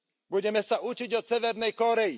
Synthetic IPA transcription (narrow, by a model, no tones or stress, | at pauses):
buɟɛmɛsaʔut͡ʃiɟɔsɛʋɛɾnɛjkɔɾɛji